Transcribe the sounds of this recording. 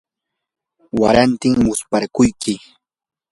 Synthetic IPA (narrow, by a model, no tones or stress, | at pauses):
waɾant̪ɪŋmʊspaɾkʊjkɪ